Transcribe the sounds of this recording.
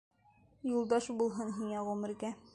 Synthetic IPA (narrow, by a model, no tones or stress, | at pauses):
julˠd̪ɑʃbulˠɦɤnɦiŋæʁʉmɘ̆ɾɡæ